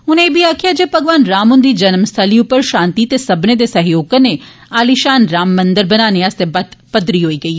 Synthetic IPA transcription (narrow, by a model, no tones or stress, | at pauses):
ʊnẽːbʱiaːkʰijad͡ʒeːpɐɡʋaːnɾaːmʊnd̪id͡ʒɐnmst̪ʰəliʊpəɾʃãːnt̪it̪esɐbned̪esɐɦjoːkəne | aːliʃaːnɾaːmːɐ̃nd̪əɾbɐnaːneast̪ebɐd̪pɐd̪ɾiɦoːiːɡɐiː